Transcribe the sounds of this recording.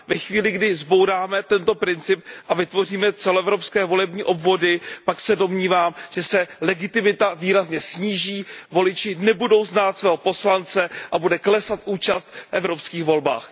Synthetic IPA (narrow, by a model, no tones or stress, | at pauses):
vɛxviːlɪɡdɪzbo̞wɾaːmɛt̪ɛnt̪o̞pɾɪnt͡sɪp̚ʔavɪt̪vo̞r̝iːmɛt͡sɛloɛvɾo̞pskɛːvo̞lɛbɲiːʔo̞bvo̞dɪpaksɛdo̞mɲiːvaːmʒ̥ɛsɛlɛɡɪt̪ɪmɪt̪aviːɾazɲɛsɲiːʒiːvo̞lɪt͡ʃɪnɛbudo̞wznaːt̪svɛːɦopo̞slant͡sɛʔabudɛklɛsat̪ʔuːt͡ʃast̪fʔɛvɾo̞pskiːxvo̞lba̰ːx